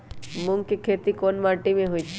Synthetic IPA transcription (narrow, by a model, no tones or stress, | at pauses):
mʊŋɡkikʰeːt̪ikonmaːʈimẽɦuit͡ʃʰ